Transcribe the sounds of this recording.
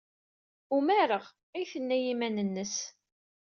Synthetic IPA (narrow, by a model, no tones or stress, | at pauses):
umæɾəʁ | æjθənːæjimænənːəs